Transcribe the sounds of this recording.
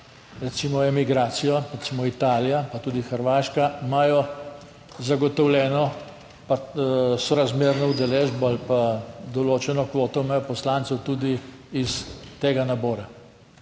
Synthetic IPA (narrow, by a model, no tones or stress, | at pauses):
ɾɛt̪simɔɛmiɡɾaːt̪sijɔɾɛt̪simɔit̪aːlijapat̪uːd̪ixəɾʋaːʃkaimajɔ | zaɡɔt̪ɔwlʲɛːnɔ | pasɔɾazmeːɾnɔud̪ɛleːʒbɔalpad̪ɔloːt͡ʃɛnɔkʋoːt̪ɔimaːjɔpɔslaːnt̪sɛwt̪uːd̪i | ist̪eːɡanabɔːɾa